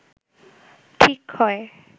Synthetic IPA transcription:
ʈʰikhɔe

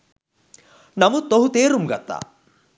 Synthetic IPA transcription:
nɐmut̪oɦut̪eːɾumɡɐt̪ːa̰

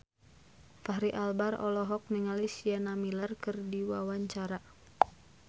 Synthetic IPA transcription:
faɦɾiʔalbarɔ̰lɔɦɔk̚niŋalisianamilarkɨrdiwawaɲt͡ʃaɾa

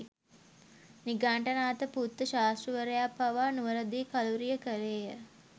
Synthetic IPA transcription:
niɡaːɳʈənaːt̪əput̪ːəʃaːsruʋəɾəjapaʋaːnuʋəɾəd̪iːkaluɾijəkəɾeːjə

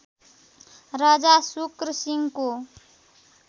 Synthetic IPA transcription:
ɾaːd͡ʒasʊkɾəsɪŋɡko

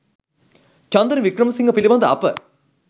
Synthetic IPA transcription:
t͡ʃɐnd̪ɐnʋikɾɐmɐsiŋɡɐpiliʋɐnd̪ɐɐpːɐ

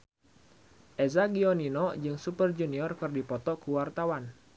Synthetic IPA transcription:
ʔɛzaɡiɔninɔd͡ʒɨŋsupərd͡ʒuniɔrkɨrdipɔt̪ɔkuwart̪awan

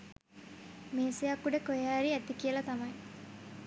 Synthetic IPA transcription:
meːsejɐkːuɖekojaːɾiːæt̪ikielɐt̪ɐmɐj

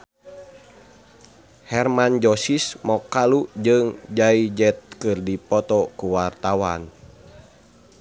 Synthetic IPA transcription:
hɛrmand͡ʒɔsismɔkalud͡ʒɨŋd͡ʒaid͡ʒɛt̪̚kɨrdipɔt̪ɔkuwart̪awa̰n

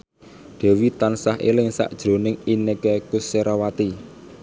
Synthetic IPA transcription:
d̪̥ɛ̤wit̪ansaɦḛlɪŋsa̰ʔd̥ʒ̥ɾo̤nɪŋinekɛkʊseɾawat̪i

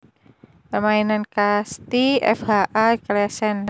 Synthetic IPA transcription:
pərmainankast̪iɛ̰fhaʔaklɛsɛn

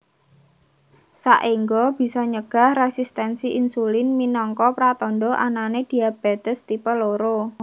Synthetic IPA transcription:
saʔiŋɡob̥i̤sɔɲəɡ̥a̤hresist̪ɛnsiʔinsulɪnminɔŋkɔpɾat̪ɔnɖɔʔa̰naned̪̥i̤ab̥et̪əst̪ipəloɾo

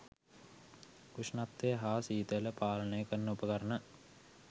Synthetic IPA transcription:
kuʂnat̪ːʋeɦaːsiːt̪əjləpaːlənəjəkənːəupəkəɾənə

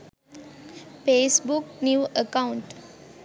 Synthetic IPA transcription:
feːsbʊknjuːəkãʊ̃ɳʈ

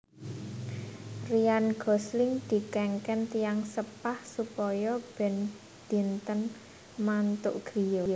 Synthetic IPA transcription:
rianɡ̥ɔ̤slɪŋd̪̥i̤kɛŋkɛnt̪ijaŋsəpahsupɔjɔb̥ɛ̤n | d̥i̤nt̪ən | mant̪ʊ̰ʔɡ̥ɾijo

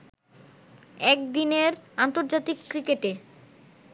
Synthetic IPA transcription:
ɛk̚d̪ineɾant̪oɾd͡ʑat̪ikːɾikeʈe

